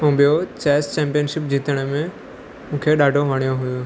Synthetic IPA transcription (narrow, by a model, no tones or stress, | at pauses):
ũːɓijot͡ɕɛːst͡ɕɛ̃ːmpijənʃɪp̚d͡ʑiːt̪əɽ̃mẽ | mũːkʰeɗaːɖʱoʋaːɳijõɦʊju